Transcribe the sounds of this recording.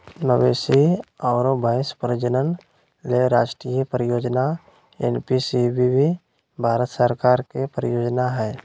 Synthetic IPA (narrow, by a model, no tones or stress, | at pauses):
nəʋeːsiɔːɾobaːɪspɾəd͡ʒənən | leɾaːʃʈɾijəpɾəjoːd͡ʒna | ḛnpisibibʱi | bʱaːɾət̪səɾkaːɾkepɾəjoːd͡ʒnaɦɛː